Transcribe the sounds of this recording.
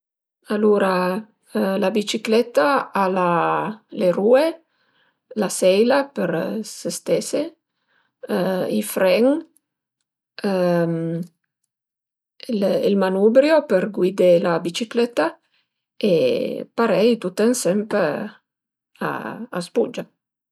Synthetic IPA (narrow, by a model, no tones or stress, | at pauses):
aluɾa | labit͡ʃiklɛt̪aalalerue | lasɛjlapəɾsest̪ɛse | ifɾɛŋ | m | lilmanubɾjopeɾɡwid̪elabit͡ʃiklɛt̪a | epaɾɛjt̪ut̪eŋsɛmp | a̰a̰spud͡ʒa